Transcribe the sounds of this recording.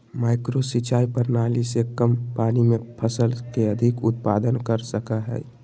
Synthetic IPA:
maːɪkɾosit͡ʃaːipəɾnaːlisekəmpaːnimẽpʰəsəlkeəd̪ʱɪkʊt̪̚paːd̪ənkəɾsəkəɦɛ̰

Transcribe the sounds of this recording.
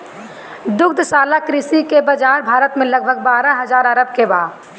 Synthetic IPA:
d̪ʊk̚d̪ʱsaːlakɾɪsikebəd͡ʒaːɾbʱaːɾət̪mẽləɡ̚bʱəɡ̚baːɾãɦəzaːɾəɾəb̚kebaː

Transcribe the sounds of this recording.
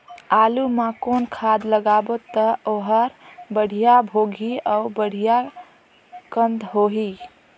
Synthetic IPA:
alumakonkʰad̪ləɡabot̪əoɦəɾbəɽ̤ijabʱoɡʱiaubəɽ̤ija | kənd̪ɦoɦi

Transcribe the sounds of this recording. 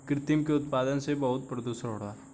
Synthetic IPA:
kɾɪt̪ɪmkeʊt̪paːd̪ənsebɐɦʊt̪̚pɾɐd̪uʃɾɦoːɽaː

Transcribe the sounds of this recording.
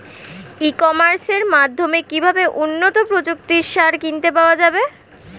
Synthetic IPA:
ikomaɾseɾmad̪ʱːomekibʱabeʔunːot̪opɾod͡ʑok̚t̪iɾʃaɾkint̪epaoad͡ʑabe

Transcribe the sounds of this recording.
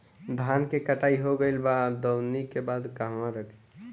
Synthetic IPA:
d̪ʱankekəʈaiɦoɡəɪlbad̪əwnikebad̪kaɦmãɾəkʰe̥

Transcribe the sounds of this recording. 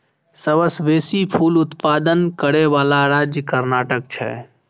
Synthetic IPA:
səʋəsʋeːsipʰuːlʊt̪paːd̪ənkəɾeʋaːlaɾaːd͡ʒjəkəɾnaːʈək̚t͡ʃʰɛ̰

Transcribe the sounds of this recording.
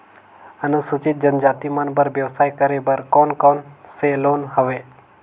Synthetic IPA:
ənusut͡ʃɪt̪̚d͡ʒənd͡ʒaːt̪imənbəɾʋjəʋsaːjkəɾebəɾkoːnkɔːnseloːnɦəʋe

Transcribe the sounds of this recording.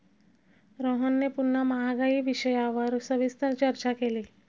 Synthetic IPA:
ɾoɦənːepunːamaɦaɡaiːʋiɕəjaʋəɾsəʋist̪ʰət͡ɕəɾt͡ɕakeliː

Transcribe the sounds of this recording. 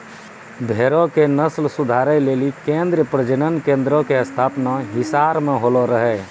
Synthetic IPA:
bʱeːɾõkenəslsʊd̪ʱaːɾɛleːlikẽːnd̪ɾəpɾəd͡ʒənənkẽːnd̪ɾõkeəst̪ʰaːpnaɦɪsaːɾmẽɦoloɾəɦɛː

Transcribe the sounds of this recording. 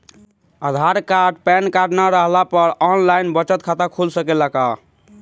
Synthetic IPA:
əd̪ʱaɾkaɾɖpɛnkaɾɖnaɾəɦlapəɾɔnlajnbət͡ʃət̪kʰat̪əkʰulsəkelaka

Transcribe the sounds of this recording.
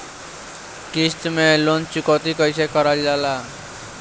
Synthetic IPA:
kist̪mẽlont͡ʃukot̪ikəɪsekəɾad͡ʒlala

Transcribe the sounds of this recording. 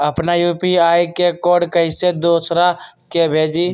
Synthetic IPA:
əpnajuːpiaːjkekɔːɖkəɪsed̪oːsɾa | kebʱeːd͡ʒiː

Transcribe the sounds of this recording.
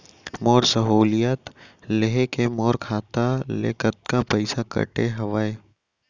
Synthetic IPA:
mɔːɾsɐɦoːlijat̪leɦekemɔːɾkʰaːt̪alḛkət̪̚kapəɪsakə̰ʈeɦɐʋaːe

